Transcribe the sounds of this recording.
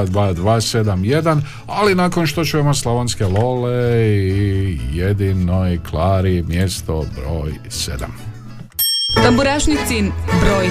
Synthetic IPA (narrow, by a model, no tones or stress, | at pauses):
d̪ʋaːd̪ʋaːse̞d̪amje̞d̪an | alinaːko̞nʃt̪ot͡ʃujemoslˠoʋonskelo̞leijed̪inojklˠaːɾimjest̪obɾoːj | sḛd̪a̰m | t̪ambuɾaʃnisinbɾoːj